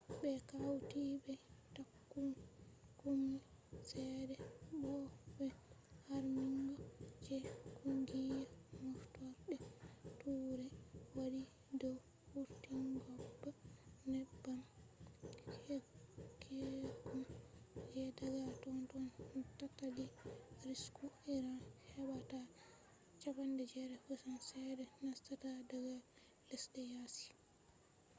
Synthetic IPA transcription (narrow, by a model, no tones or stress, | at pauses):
bɛkawtibɛtakːunkumːi | sɛdɛbɔɓɛhaɾmiŋɡɔd͡ʒɛkʰuŋɡijamɔftɔɗɛtuɾɛwadi | dɔw | huɾtiŋɡɔbːanɛbːam | hekʰɛkumd͡ʒɛdaɡatɔntɔntataliɾiskuiɾahɛbata | t͡ʃapandɛd͡ʒɛɾɛfɔsansɛɾɛnastatadaɡa | lɛsdɛjasi̥